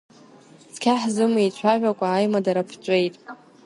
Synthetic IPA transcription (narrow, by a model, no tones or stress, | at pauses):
skʲʰaħzɨmit͡ɕʷʰaʒᶣʷakʷʼaːjmadaɾapʰt͡ʃʷʼe̞jtʼ